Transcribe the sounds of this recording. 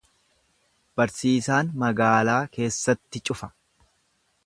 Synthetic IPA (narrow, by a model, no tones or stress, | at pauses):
b̥ɐɾsiːsaːnmɐɡaːlaːke̞ːsːɐt̪ːɪt͡ʃʼʊfɐ̥